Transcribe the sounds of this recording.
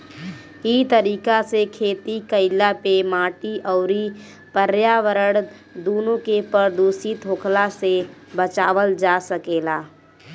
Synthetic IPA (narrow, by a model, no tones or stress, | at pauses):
it̪əɾiːkasekʰeːt̪ikəɪlapemaːʈiʔɔʊɾi | pəɾjaʋəɾəɽ | d̪oːnõkepəɾd̪oːsit̪ʰɦoːkʰlasebət͡ʃaːʋəld͡ʒasəkeːlaː